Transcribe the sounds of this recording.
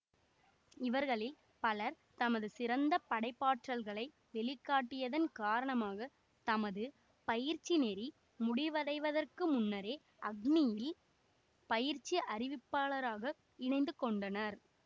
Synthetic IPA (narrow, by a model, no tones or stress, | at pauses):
ɪʋɐɾɣɐɭɪl | pɐlɐɾ | t̪ɐmɐðɯsɪɾɐnd̪ɐpːɐɽɐɪpːaːʈrɐlɣɐɭɐɪ | ʋɛɭɪkːaːʈːɪjɐðɐnkaːɾɐɳɐmaːɣɐ | t̪ɐmɐðɯ | pɐjɪɾt͡ʃːinɛɾi | mʊɽɪʋɐðɐɪʋɐðɐrkɯmʊnːɐɾeː | ɐɡnijɪl | pɐjɪɾt͡ʃːiʔɐɾɪʋɪpːaːɭɐɾaːɣɐ | ɪɳɐɪnd̪ɯkːɔɳɖɐnɐɾ